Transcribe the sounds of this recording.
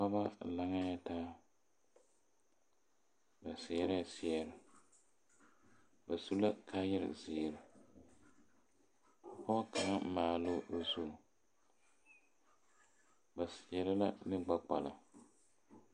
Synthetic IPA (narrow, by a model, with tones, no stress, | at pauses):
ka˦ba˦la˨ŋa˦ja˦taː˦ | ba˨sɪ˨ɛ˨ɾa˦˨sɪ˦˨ɛ˨ɾɪ˨ | ba˨su˦la˦kʰaː˦jɛ˦ɾɪ̰˨ziː˨ɾɨ˨ | pɔ˦ka˨ŋa˦maː˨lo˦o˦zu˦˨ | ba˨sɪ˨ɛ˨ɾɪ˦la̰˦nɨ˦ɡ͡ba˦k͡pa˨la˨